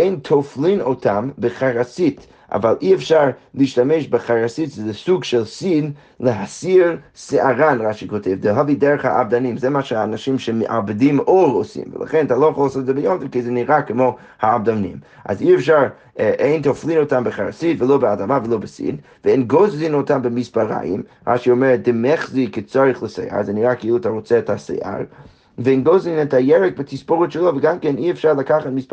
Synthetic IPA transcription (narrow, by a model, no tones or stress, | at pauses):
eɪntʰoflˠinotʰambəχaɾasit | ʔa̰valˠʔiɛfʃaɾlˠiːʃtamɛʃbəχaɾasitsɪzɪsuɡʃɛlˠsid | lˠəɦasiɾsaʁanʁaʃikotʰɛvdəɦɔvidɛɾəχha̰ʔa̰bdanimzɛmaʃɛaːnaʃimʃɛməʔabədimoɾosḭmvə̰lˠa̰χɛ̃ntalˠɔχəosɔzɛbəjɔmtɪvkezɛniʁakɪmo | haːb̚damnḭm | ʔa̰ziɛfʃaɾ | ʔeɪntʰoflˠinotambəχaɾsidvɪlˠobəadamavəlˠobɪsḭd | vɪɛnɡozlinotʰanbɪmispaɾa̰jɪ̰m | ʁa̰ʃiɔmɛɾɛd̥ɪmɛχzikɪt͡sɔɾɪχlˠəsɛ̰ɪa̰ɾzɛniʁakɪilˠatʰaʁɔt͡sɛɛtʰasɛ̰ɪʔa̰ɾ | vɪɪnɡozinɛtʰhajɛɹɛk̚bɪtʰispoʁʊtʃəlˠovəɡamkɛniɛfʃaɾlˠakaχatmisp